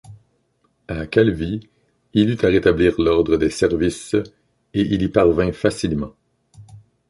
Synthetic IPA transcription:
akʲɛlvi | ilyt̪aʁet̪abliːʁlɔʁd̪ʁəd̪esɛʁvis | eʔilipaʁvɛ̃fasilmɑ̃

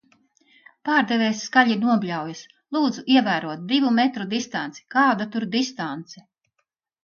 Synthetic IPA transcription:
paːɾd̪ɛvɛːsːkaʎʲiɾnuɔbʲlʲawjas | lˠuːd̪zuʔiɛvæːɾuɔt̪̚d̪ivumɛt̪ɾud̪ist̪ant̪si̥kaːd̪at̪uɾd̪ist̪ant̪sɛ

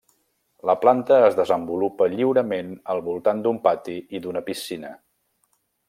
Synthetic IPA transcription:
ləplant̪əːzðəzəmbulupəʎiwɾəmenəlˠβulˠt̪and̪umpat̪iiðunəpisinə̰

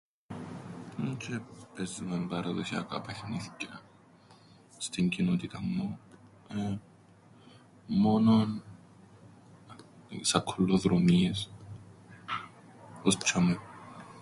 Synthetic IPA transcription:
ut͡ʃepesimembɐɾɐðoçɐ̰kɐ̰pɐçniθi̥ce | st̪iɲcinot̪it̪ɐmːu | e | mo̞non | sɐkʰolːoðɾomies | ost͡ʃɐmu

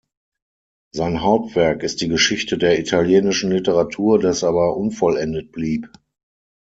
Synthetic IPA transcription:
zaɪnɦaʊp̚tv̥ɛɐkɪst̚d̥iːɡəʃɪçtədeːɐitʰaljeːnɪʃn̩lɪtəʁatʰuːɐdasʔaːβɐʔʊnfɔlɛndət̚b̥liːp

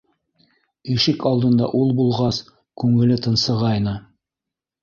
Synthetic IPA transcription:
iʃɘkɑlˠd̪ɤ̆nd̪ɑ̰ʔulˠbulˠʁɑs | kʉŋɘ̆lɘt̪ɤ̆nsɤ̆ʁɑjnɤ

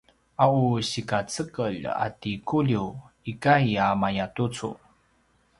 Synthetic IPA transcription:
ʔauɕikat͡səkəʎa̰tikuʎiw | ikajamajatut͡sṵ

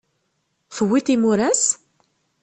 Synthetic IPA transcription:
θəwːiθimuɾæs

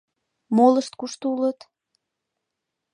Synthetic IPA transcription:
moləʃt̪̚kuʃt̪oulət̪

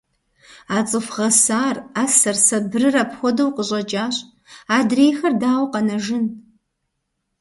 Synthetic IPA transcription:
aːt͡sʼɨfʁɐsaːraːsɐrsɐbrɨrapxʷɔdɐwqəɕʼɐt͡ʃʼaːɕʼ | aːdreːjxɐrdaːwqɐnɐʒɪn

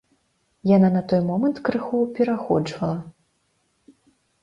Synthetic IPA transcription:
jananɐt̪ɔjmɔmɐnt̪kɾɨxupʲɛɾaxɔ̰d͡ʐvɐlˠɐ

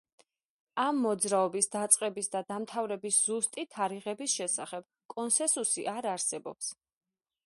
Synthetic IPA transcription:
amːɔd̪zɾaɔbisd̪at̪sʼqʼɛbisd̪ad̪amt̪ʰavɾɛbisz̥ust̪ʼit̪ʰːaɾiʁɛbisʃɛsaχɛb̥̚ | kʼɔnsɛ̃nsusḭʔaɾaɾsɛbɔ̰ps

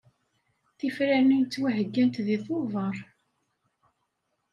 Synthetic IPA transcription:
θifɾænint͡s̪ːwæɦəɡːænt̪ðiθˤovəɾˤ

